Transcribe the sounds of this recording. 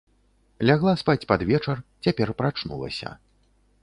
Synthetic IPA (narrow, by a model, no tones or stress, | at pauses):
lʲaɣlˠaspat͡sʲpad̪vʲɛt͡ʂɐrt͡sʲapʲɛrpɾat͡ʂnṵlˠɐ̰sʲɐ̰